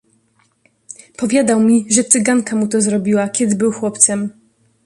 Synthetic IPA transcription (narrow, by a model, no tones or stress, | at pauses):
pɔvʲjad̪awmʲiʐɛt̪sɘɡaŋkamut̪ɔzɾɔbʲiwakʲɛd̪ɘbɘwxwɔpt̪sɛm